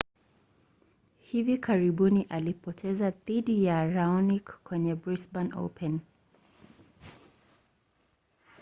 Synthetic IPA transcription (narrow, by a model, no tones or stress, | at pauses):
hivikʰaɾiɓuniʔalipɔtʰɛzaðiɗijaɹaɔnikːwɛɲɛbɹisbano̰pʰɛn